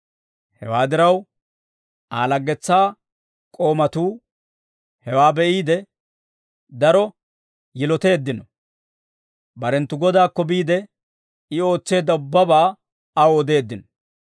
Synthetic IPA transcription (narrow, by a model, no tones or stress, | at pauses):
hɛ̰waːd̪ɪɾɐw | a̰ːlɐɡːɛt͡sːaː | kʼo̞ːmɐt̪uː | hɛwaːbɛʔiːd̪ɛ | d̪ɐɾɔ | jɪlɔt̪eːd̪ːɪnɔ | bɐɾɛnt̪ːʊɡɔd̪aːkːɔbiːd̪ɛ | ɪo̞ːt͡sːe̞ːd̪ːɐʊbːɐbaː | ɐwoːd̪e̞ːd̪ːɪnɔ